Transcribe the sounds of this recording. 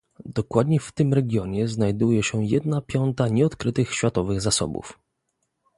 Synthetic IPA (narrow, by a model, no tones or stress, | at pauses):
d̪ɔkwad̪ɲɛft̪ɘmɾɛɡʲjɔɲɛznajd̪ujɛɕɛjɛd̪napʲjɔnt̪aɲɛɔt̪kɾɘt̪ɘxɕfʲat̪ɔvɘɣzasɔ̰bṵf